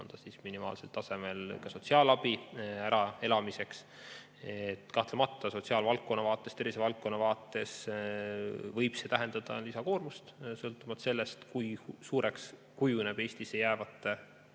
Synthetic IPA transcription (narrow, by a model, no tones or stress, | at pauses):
o̰nd̪̥ɑsisminimɑ̰ːlselt̪ɑse̞me̞lkɑso̞t̪siɑːlɑbiæɾɑe̞lɑmise̞ks | et̪ːkɑht̪lemɑt̪ːˑɑso̞t̪siɑːlvɑlk̚kːo̞nːɑvɑːt̪ˑːe̞st̪e̞ɾisevɑlk̚kːo̞nːɑvɑːt̪ːˑe̞s | vɤjb̥se̞t̪æɦe̞nd̪̥ɑd̪̥ɑ̰lisɑko̞ːrmust̪sɤlt̪ːˑumɑt̪se̞lːest̪kujsuːɾeks | kujuneb̥e̞ːsʲt̪isejæːvɑt̪ˑːe